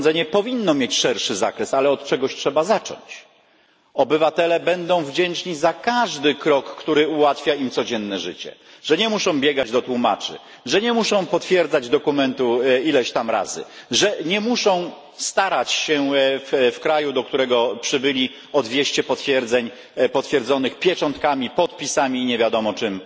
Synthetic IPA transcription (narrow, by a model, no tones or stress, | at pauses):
nzɛɲɛpɔvʲinːɔmʲjet͡ɕʂɛɾʂɘza̰kɾɛsalɛɔt̪t͡ʂɛɡɔɕtʂɛbazat͡ʂɔ̰ɲt͡ɕ | ɔbɘvat̪ɛlɛbɛnd̪ɔ̃w̃vd͡ʑɛnt͡ʂɲizakaʐd̪ɘkɾɔkːt̪uɾɘuwat̪fʲjaimt̪sɔd͡ʑɛnːɛʐɘt͡ɕɛ̰ | ʐ̥ɛɲɛmuʂɔ̃w̃bʲjɛɡad͡ʑd̪ɔt̪wuma̰t͡ʂɘ̰ | ʐɛɲɛmuʂɔ̃w̃pɔt̪fʲjɛɾd̪zad͡ʑd̪ɔkumɛnt̪uilɛɕt̪amɾa̰zɘ̰ʐɛɲɛmuʂɔ̃w̃ | st̪aɾat͡ɕɕɛffkɾajud̪ɔkt̪uɾɛɡɔpʂɘbɘlʲi | ɔd̪vʲjɛɕt͡ɕɛpɔt̪fʲjɛɾd̪zɛɲ | pɔt̪fʲjɛɾd̪zɔnɘxpʲjɛt͡ʂɔ̃nt̪̚kamʲipɔt̪̚pʲisamʲiːɲɛvʲjad̪ɔmɔt͡ʂɘm